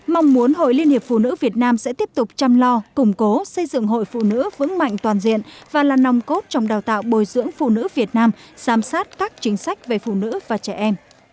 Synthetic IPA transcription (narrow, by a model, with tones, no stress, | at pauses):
ma˧wŋ͡mmu˨˦ənɦo̰˧˨jli˧ənhi˨˩əp̚fṵ˧˨nɨ̰˧˥vi˨˩ət̚naː˧msɛ̰˧˥t̪i˦˥əp̚t̪ʊ˨˩k͡p̚t͡ɕa˧mlɔ˧kʊ˨˩ŋ͡mko˨˦sə˧jzɨ̰˧˨ŋɦo̰˧˨jfṵ˧˨nɨ̰˧˥vɨ̰˧˥əŋma̰˧˨jŋ̟t̪waː˨˩nzḭ˧˨ənvaː˨˩laː˨˩na˨˩wŋ͡mko˦˥t̚t͡ɕɔ˧wŋ͡mɗaː˨˩wt̪a̰ː˧˨wɓo˨˩jzɨ̰˧˥əŋfṵ˧˨nɨ̰˧˥vi˨˩ət̚naː˧mz̥aː˨˦msaː˦˥t̚kaː˦˥k̚t͡ɕï˨˦ŋ̟sa˦˥jk̟̚ve˨˩fṵ˧˨nɨ̰˧˥vaː˨˩t͡ɕɛ˧˩ʔɛ˧m